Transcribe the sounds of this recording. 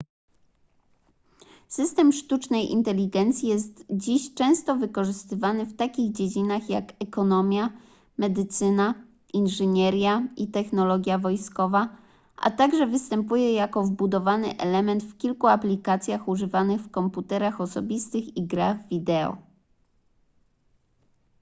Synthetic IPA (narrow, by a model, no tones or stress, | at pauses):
sɘst̪ɛmʂt̪ut͡ʂnɛjʔḭnt̪ɛlʲiɡɛnt̪sʲjijɛst̪d͡ʑiɕt͡ʂɛ̃w̃st̪ɔvɘkɔʐɘst̪ɘvanɘft̪akʲiɣd͡ʑed͡ʑinaxjakɛkɔnɔmʲja | mɛd̪ɘt̪sɘna | ʔinʐɛɲɛɾʲjaʔit̪ɛxnɔlɔɡʲjavɔjskɔva | ʔa̰t̪aɡʐɛvɘst̪ɛmpujɛjakɔvbud̪ɔvanɘʔɛ̰lɛmɛnt̪fkʲilkuaplʲikat̪sʲjaxuʐɘvanɘxfkɔmput̪ɛɾaxɔsɔbʲist̪ɘxiɡɾaɣvʲid̪ɛɔ̰